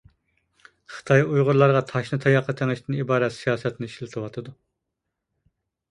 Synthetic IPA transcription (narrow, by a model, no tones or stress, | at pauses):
χə̥t̪ʰɑjujʁʊɾlˠɑɾʁɑt̪ʰɑʃnɨt̪ʰɑjɑqʰːət̪ʰæŋɪʃt̪ʰɪnibɑːɾɛt̪sijɑːsɛt̪nɪʃlɨt̪ʰɨwɑt̪ʰɨd̪u